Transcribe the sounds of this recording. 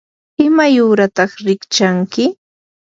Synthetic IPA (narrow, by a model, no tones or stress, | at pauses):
ɪmajʊːɾat̪ɑχɾɪkt͡ʃaŋkɪ